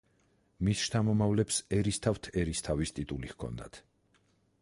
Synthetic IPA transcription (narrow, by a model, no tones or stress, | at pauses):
misʃt̪ʰamɔmavlɛpsɛɾist̪ʰaft̪ʰɛɾist̪ʰavist̪ʼit̪ʼuliɣkʰɔ̰nd̪a̰t̪ʰ